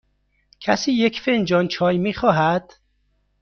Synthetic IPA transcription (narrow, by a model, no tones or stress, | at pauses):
cʰæsiːjekfend͡ʒɒːnt͡ʃʰɒːjmiːxɒːɦæd̪̥